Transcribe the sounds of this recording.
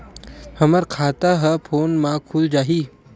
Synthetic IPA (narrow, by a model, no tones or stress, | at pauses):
həməɾkʰaːt̪aɦɛpʰoːnmãkʰuld͡ʒaːɦiː